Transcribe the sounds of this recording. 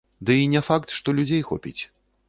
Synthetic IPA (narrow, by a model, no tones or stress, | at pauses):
d̪ɨinʲɛfakt̪ʂt̪ɔlʲud͡zʲejxɔ̰pʲḭt͡sʲ